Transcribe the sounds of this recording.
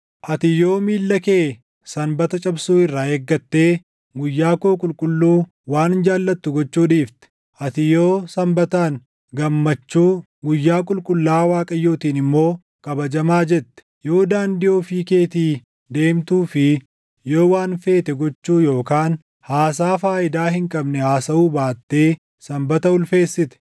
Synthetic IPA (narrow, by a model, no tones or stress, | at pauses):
ʔɐt̪ɪjo̞ːmiːlːɐkeː | sɐmbɐt̪ɐt͡ʃʼɐbsuːɪrːaːeːɡːɐt̪ːe̞ː | ɡʊjːaːkoːkʼʊlkʼʊlːuː | waːnd͡ʒaːlːɐt̪ːʊɡɔt͡ʃːuːᶑiːft̪ɛ̥ | ʔɐt̪ɪjo̞ːsɐmbɐt̪aːn | ɡɐmːɐt͡ʃːuː | ɡʊjːaːkʼʊlkʼʊlːaːwaːkʼɐjːuːt̪iːnɪmːo̞ː | kʼɐbɐd͡ʒɐmaːd͡ʒɛt̪ːɛ̥jo̞ːd̪aːnd̪ɪʔoːfiːke̞ːt̪iː | d̪e̞ːmt̪uːfɪ | jo̞ːwaːnfe̞ːt̪ɛɡɔt͡ʃːuːjo̞ːkaːn | haːs̬aːfaːʔɪd̪aːhɪŋkʼɐbnɛhaːsɐuːbaːt̪ːe̞ː | sɐmbɐt̪ɐʊlfe̞ːsːɪt̪ɛ̥